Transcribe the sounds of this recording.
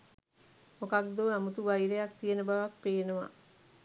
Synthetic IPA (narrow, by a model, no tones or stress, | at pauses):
mokak̚d̪oːæmut̪uʋajɾejak̚t̪ijenəbaʋak̚peːnəʋa̰